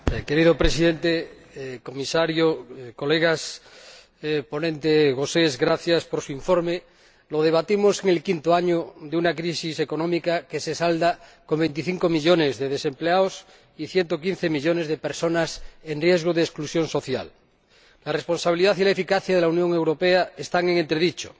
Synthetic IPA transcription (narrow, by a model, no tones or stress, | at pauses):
ke̞ɾiðopɾesiðe̞nt̪e | komisaɾjoko̞leɣas | po̞nẽnt̪eɣosezɣɾaθjaspoɾsuiɱfoɾme | lo̞ð̞e̞β̞at̪imo̞se̞ŋe̞lkint̪oaɲoðeunakɾisiseko̞nõmikake̞se̞sald̪ako̞mbent̪̬iθiŋkomiʎo̞ne̞zðeðese̞mpleaos | iθjent̪o̞kin̟θe̞miʎonezð̞epeɾso̞nasenrje̞zɣ̞oð̞eːsklusjo̞nso̞θja̰l | larespo̞nsaβ̞iliðaθilaefikaθjaðe̞launjõ̞ŋe̞wɾo̞peaest̪aŋeŋẽnt̪ɾeðit͡ʃo̥̰